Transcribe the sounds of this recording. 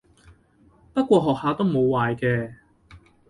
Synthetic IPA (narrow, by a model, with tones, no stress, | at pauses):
pɐ˥t̚kʷɔː˧ɦɔː˨k̚haː˨˧t̪o˥wmo˨˧wwaː˨jkɛː˧